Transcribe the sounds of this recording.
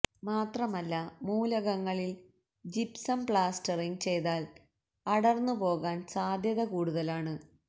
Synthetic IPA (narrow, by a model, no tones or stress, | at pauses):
maːt̪rɐmɐlːɐmuːlɐɣɐŋːɐɭil | d͡ʑipsɐmpɭaːstɐriŋt͡ɕe̞jt̪aːl | ɐɽɐrnːupo̞ːɣaːnsaːd̪ʱjɐðɐkuːɽuðɐlaːɳɨ